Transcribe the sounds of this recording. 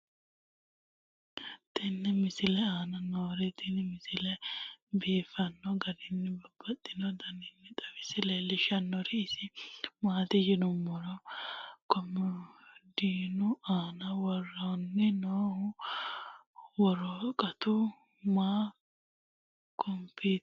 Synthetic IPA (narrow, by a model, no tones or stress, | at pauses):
t̪ɛnːɛmɪsɪlɛaːnɐnoːɾɛt̪ɪnɛmɪsɪlɛbeːfɐnːɔɡɐd̪ɪnːɛbɐbːɐt̪ʼːɪnɔd̪ɐnɪnːɛt̪ʼɐwɪsɪlɛlɪʃɐnːɔɾɪːsɪmaːt̪ɪd͡ʒɪnʊmːɔɾɔkɔm | d̪iːnʊaːnɐwɔrɔnːɛnoːh | wɔɾɔkʼɐt̪ʊ | maː | kʰɔmpi